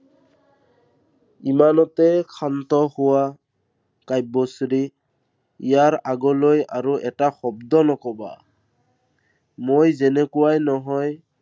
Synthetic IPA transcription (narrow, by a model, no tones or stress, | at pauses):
imanɔtɛkʰant̪ɔhʊwa | kajbosɹi | ijaɹaɡɔloja̰ɹuʔɛtaxɔbd̪ɔnɔkɔba̰ | mojzɛnɛkʊwajnɔɦɔj